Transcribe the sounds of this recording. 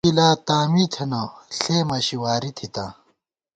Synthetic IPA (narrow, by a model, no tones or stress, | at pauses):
ilaːt̪aːmit̪ʰɐnɐɬeːmɐɕiwaːɾit̪ʰit̪ã̰ː